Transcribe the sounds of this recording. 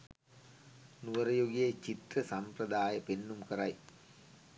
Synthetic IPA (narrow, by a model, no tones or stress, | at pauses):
nuʋɐɾɐjoɡɪjɐt͡ʃit̪ɾɐsɐmpɾɐd̪aːjɐpenːumkɐɾɐɪ